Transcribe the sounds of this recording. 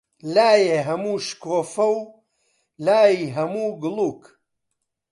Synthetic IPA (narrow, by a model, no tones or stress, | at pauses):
laːjeɦɐmuːʃkoːfɐw | laːjiːɦɐmuːɡɨluːk